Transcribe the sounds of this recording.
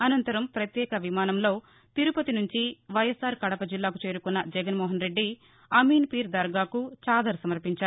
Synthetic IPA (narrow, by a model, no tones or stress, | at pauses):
ɐnɐnt̪ɐɾɐmpɾɐt̪jɛːkɐʋimaːnɐmlo̞ː | t̪iɾupɐt̪inuɲt͡ʃiʋɐjɐsːaːɾkɐɽɐpɐd͡ʒilːaːkut͡ʃeːɾukunːɐd͡ʒɛɡɐnmɔːɦɐnɾe̞ɖːi | ɐmiːnpiːɾd̪ɐɾɡaːkut͡ʃaːd̪ɐɾsɐmɐɾpiɲt͡ʃaːɾu